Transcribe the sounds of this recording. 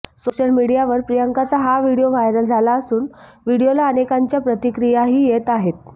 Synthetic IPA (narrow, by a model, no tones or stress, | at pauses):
soɕəlmiɽijaʋəɾpɾijəŋkat͡saɦaʋiɽijoʋajɾəld͡zʱalaəsuːnʋiɽijolaənekaɲt͡ɕjapɾət̪ikɾijaɦiːjet̪aɦet̪̚